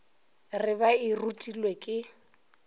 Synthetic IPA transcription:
rɪbairutʼilwekʼɪ

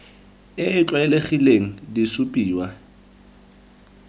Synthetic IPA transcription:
ɪɪt͡ɬʼwaɪleχileŋ̩disʊpʼiːwa

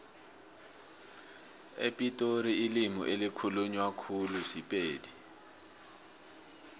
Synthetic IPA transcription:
ḛpʼitʼoɾiːlimṵʔelikʰuluɲwakʰulusipʼeːdi

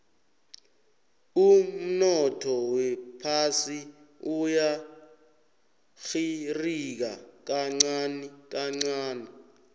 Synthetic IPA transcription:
um̩nɔtʰɔwɛpʰasi | uja | xirik̬ak̬aŋ͡ǀanik̬aŋ͡ǀaːni

